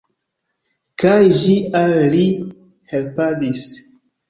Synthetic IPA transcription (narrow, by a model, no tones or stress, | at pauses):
kajʒialli | helpadis